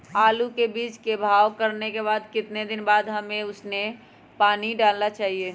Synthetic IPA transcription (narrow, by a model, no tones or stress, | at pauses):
aːlukebiːt͡ʃkebʱaːʋkəɾnekeβaːd̪kɪt̪ned̪ɪnbaːd̪ɦɐmẽʊsne | paːniɖaːlnat͡ʃaːɦieː